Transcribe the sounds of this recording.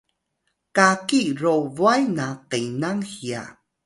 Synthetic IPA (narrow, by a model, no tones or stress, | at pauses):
kakirovwajnaqenaŋhia̰